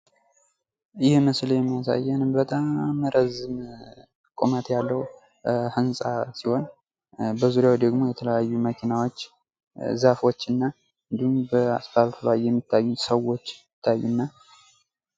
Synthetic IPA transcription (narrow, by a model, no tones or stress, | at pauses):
jɪhməsljɛmːijas̬a̰jːɛnɨmbət̪ʼamːɾəzɨm | kʼomət̪jalːəw | hɨnsʼasiho̞n | bəzuɾjawd̪əɡmo̞jɛt̪ʰələjajːuməkʰinawot͡ʃː | zafo̞t͡ʃːɨnːa | ɨnd̪ihumbəa̰sfaβfβajjɛmːit̪ʰːajːusəwo̞t͡ʃːɪt̪ʰːajːunːa